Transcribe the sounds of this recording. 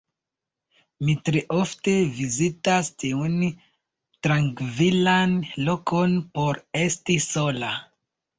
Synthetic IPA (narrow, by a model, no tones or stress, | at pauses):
mitɾeʔofte̞vizitastiun | tɾaŋkvilanlo̞ko̞npo̞ɾe̞stiso̞la